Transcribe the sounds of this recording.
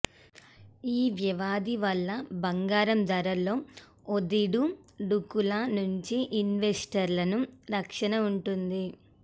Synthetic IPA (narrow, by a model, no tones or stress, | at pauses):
iːʋjɐʋaːd̪iʋɐlːɐbɐŋɡaːɾɐmd̪ɐɾɐlo̞ː | od̪iɽuɖukulɐnuɲt͡ʃiʔinʋesʈɐɾlɐnuɾɐkʂɐnɐuɳʈund̪i